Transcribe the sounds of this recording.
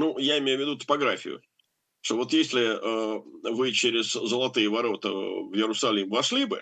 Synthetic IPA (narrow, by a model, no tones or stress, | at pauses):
nujaɪmʲejʊvʲɪd̪ut̪ə̥pɐɡɾafʲɪ̰jʊ̰ | ʂt̪ovo̞t̪jesʲlʲɪəvɨt͡ɕeɾʲɪzzəlˠɐt̪ɨjəvɐɾo̞t̪ə̰vjɪɾʊsɐlʲimvɐʂlʲibɨ